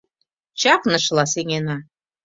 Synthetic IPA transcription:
t͡ɕɑknɤ̆ʃlɑseŋenɑ

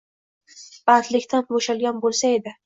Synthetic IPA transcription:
b̥aːt̪lɪkʲt̪ʰanboʃalɡʲanbolˠsaed̪ɪ

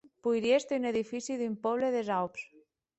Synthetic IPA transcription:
pujɾjest̪eyneðifisiðympɔβ̞leðezawps

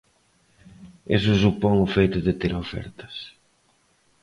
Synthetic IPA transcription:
ḛs̬ʊs̬upɔŋʊfejt̪ʊðet̪eɾofɛ̰ɾt̪ɐ̥s

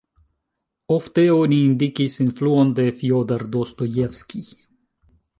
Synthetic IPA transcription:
ɔft̪əoniːnd̪ikisinfluːənd̪əfjoːd̪aɾd̪ost̪ɔjɛfski

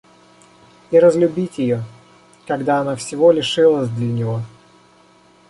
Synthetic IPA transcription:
iɾəzlʲʊbʲitʲjɪjo | kɐɡd̪aːnafsʲɪvo̞lʲɪʂɨlˠəsʲd̪lʲənʲɪvo

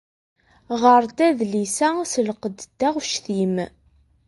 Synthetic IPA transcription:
ʁəɾˤd̪æðlisæsəlqəd̪d̪̥ːæʁʃθim

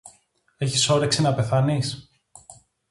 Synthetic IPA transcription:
e̞çiso̞ɾeksinɐpe̞θɐnis

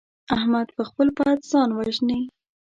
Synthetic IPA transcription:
ahmad̪pəxpəlpat̪zɑnwaʒni

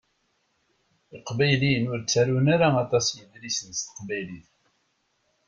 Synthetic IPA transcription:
iqbæjliənʊɾt͡sːæɾunaɾaɑt̪ˤɑsjəðɾisənst̪ə̥qbæjliθ

